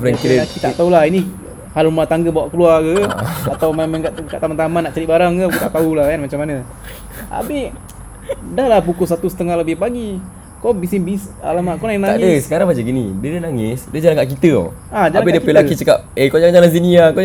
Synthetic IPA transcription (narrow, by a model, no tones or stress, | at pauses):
fɾɛŋkidkit̪aʔt̪aulahini | halumat̪aŋɡəbawaʔkəluakəat̪awmamɛnkaʔkaʔt̪amant̪amanːaʔt͡ʃaɾiʔbaɾaŋkəkut̪aʔt̪aulahkanmat͡ʃamːanə | a̰bɪh | dahlahbukʊs̬at̪usə̥t̪əŋahləbɪhpaɡi | kɔbisɪnbisa̰lamaʔkonainaa̰ʔdəsə̥kaɾaŋbad͡ʒəɡinibidənaŋɪsdəd͡ʒalaŋkaʔk̬it̪ə̰ad͡ʒaaabidəpilakit͡ʃəkap̚ekod͡ʒaŋd͡ʒalanziniako